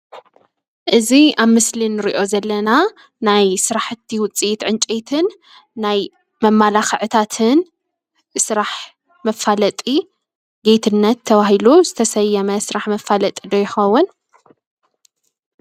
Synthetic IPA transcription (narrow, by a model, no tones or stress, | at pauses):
ʔɨziaβmɨslinɨɾiʔo̞zɐlːɐna | najsɨɾaħɨt̪ʰːiwʊt͡sʼit̪ʕɨnt͡ʃʼet̪ʰɨnː | aj | mɐmːalaxɨʕɨt̪ʰat̪ʰɨn | sɨɾaħ | mɐfalɐt̪ʼi | ɡejt̪ʰɨnːɐt̪ʰːɐβaɦiluzɨt̪ʰɐsɐjːɐmɐsɨɾaħmɐfalɐt̪ʼid̪ojɪxɐwːʊn